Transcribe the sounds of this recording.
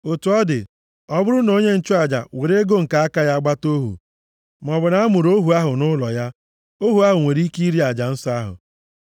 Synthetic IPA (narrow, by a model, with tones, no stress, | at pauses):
o˨tu˨ɔ˦dɪ̰˨ | ɔ˦bʊ˦ɾʊ˦no˨ɲe˦n̩˨t͡ʃʊ˦a˨d͡ʒa̰˨we˨ɾe˦ɡo˦ŋ̩˨ka˨a˦ka˦ja˦a˦ɡ͡ba˦to˦ɦṵ˨ | m˨ɔ˨bʊ˨na˨˦a˦mʊ˨ɾo˦ɦu˨a˦ɦʊ˨nʊ˦lɔ˨ja˦ | o˦ɦu˨a˦ɦʊ˨ŋʷe˨ɾi˦ki˦i˦ɾi˦a˨d͡ʒa˨n̩˦sɔ˦a˦ɦʊ̰˨